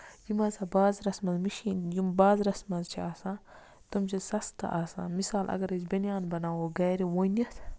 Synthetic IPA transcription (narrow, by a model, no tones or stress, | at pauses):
jimɐsɐbaːzɾɐsmɐzmiʃiːnjimbaːzɾɐsmɐzt͡ʃʰiaːsãː | t̪ɐmt͡ʃʰisɐst̪ɐ̰ʔaːsã̰ːmisaːlʔɐ̰ɡɐɾɐzbɐnʲjaːnbɐnaːwoɡɐːɾiwonɐt̪ʰ